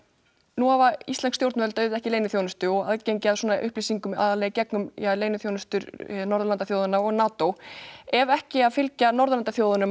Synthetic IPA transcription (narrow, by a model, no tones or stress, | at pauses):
nuavaist̪lɛnkst̪jowɾt̪vœlt̪œːðɛhcɪleːjnʏθjownʏst̪ʏɔɣa̰ðcejɲcɪaðsɔːnaʔʏ̰hplisiŋkʏma̰ðalejɣcɛknʏmjaleːjnʏθjownʏst̪ʏɾnɔɾðʏlant̪aθjoːwðʏnaɔɣnaːt̪owɛvɛhcɪaðfɪlcanɔɾðlant̪aθjowðʏnʏm